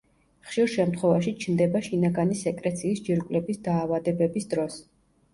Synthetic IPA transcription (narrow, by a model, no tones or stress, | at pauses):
χʃiɾʃɛmt̪χwɛvaʃit͡ʃʰnd̪ɛbaʃinaɡanisɛkʼɾɛt̪sʰiːsd͡ʒiɾkʼwlɛbisd̪aːvad̪ɛbɛbisd̪ɾɔs